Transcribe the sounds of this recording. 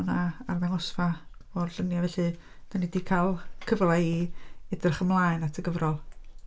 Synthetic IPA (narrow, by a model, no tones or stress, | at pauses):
naarðɛŋɔsfaɔrɬənjavɛɬɨ | d̥anidiːkʰalˠkʰəvlˠaiɛdərχəmlˠaːɨnatʰəɡəvrɔlˠ